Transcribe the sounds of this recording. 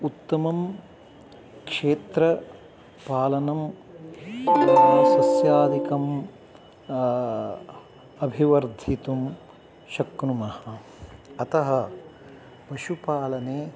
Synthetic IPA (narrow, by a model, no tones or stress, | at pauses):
ut̪ːɐmɐm | kʂeːt̪ɾɐ | paːlɐnɐm | sɐsjaːd̪ikɐm | ɐbʱiʋɐɾd̪ʱit̪um | ʃɐknumɐhɐ | ɐt̪ɐɦɐ | pɐʃupaːlɐneː